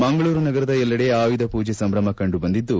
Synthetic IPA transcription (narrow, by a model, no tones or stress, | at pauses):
mɐŋɡɐɭuːɾunɐɡɐɾɐd̪ɐɛlːɐɽe̞aːʋid̪ɐpuːd͡ʒesɐmɾɐmɐkɐɳɖubɐnd̪id̪ːu